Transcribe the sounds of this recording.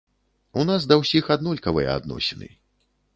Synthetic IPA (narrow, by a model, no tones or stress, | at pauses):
unasd̪ɐwsʲixad̪nɔlʲkɐvɨjɛ̰a̰d̪nɔ̰sʲɛnɨ̰